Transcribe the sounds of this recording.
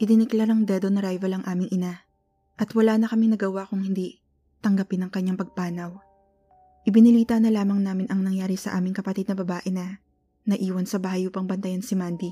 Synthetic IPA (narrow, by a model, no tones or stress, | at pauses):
ʔɪd̪ɪnɪklaɾɐŋd̪ɛd̪onɐɾajvɐlɐŋʔaːmɪŋʔɪna | ʔɐt̪wɐlaːnɐkɐmɪŋnɐɡɐwakʊŋhɪnd̪i | t̪ɐŋɡɐpɪnɐŋkɐɲːaŋpɐɡ̚paːnɐw | ʔɪbɪnɪliːt̪ɐnɐlaːmɐŋnaːmɪnʔɐŋnɐŋjaːɾisɐ̰ʔaːmɪŋkɐpɐt̪id̪̚nɐbɐbaːʔɛnɐ | nɐʔiːwɐnsɐbaːhɐjʔuːpɐŋbɐnt̪ɐjansɪmand̪i